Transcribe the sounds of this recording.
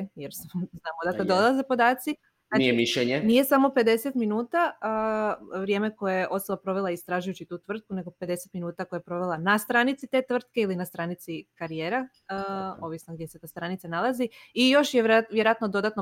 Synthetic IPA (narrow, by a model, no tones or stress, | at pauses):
jeɾsznaːmod̪asad̪olazepo̞d̪aːt̪si | aniemiʃʎeɲenije̞samo̞pe̞d̪e̞set̪minuːt̪aəʋɾje̞ːme̞ko̞jojeʔo̞t̪solapɾo̞ʋelˠaist̪ɾaːʒujut͡ɕit̪uːt̪ʋr̩t̪̚kune̞ɡo̞pe̞d̪e̞set̪minuːt̪akojapɾo̞ʋelˠanast̪ɾanit̪sit̪e̞t̪ʋr̩t̪̚keilinast̪ɾanit̪sikaɾijeːɾa | o̞ʋisnoɡd̪jeset̪ost̪ɾanit̪sanalˠaziijo̞ʃjeʋjeɾojat̪nod̪o̞d̪at̪no